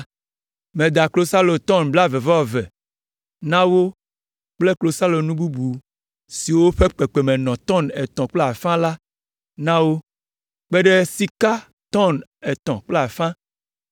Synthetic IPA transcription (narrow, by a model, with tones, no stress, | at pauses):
mẽ˨d̪a˨klo˦sa˦lo˨t̪ɔ̃˦˨nbla˦vɛ˨vɔ˦˨vɛ̰˨ | nã˦wo˦ | k͡ple˦klo˨sa˦lo˨nũ˦bu˦bu˨ | si˨wo˦ɸe˦k͡pe˨k͡pe˨mẽ˨nɔ̃˨t̪ɔ̃˦˨nɛ˨t̪ɔ̃˨k͡ple˦a˨fã˦la˦ | nã˦wo˦ | k͡pe˦ɖe˦si˦ka˦ | t̪ɔ˦˨nɛ˨t̪ɔ̃˨k͡ple˦a˨fã˦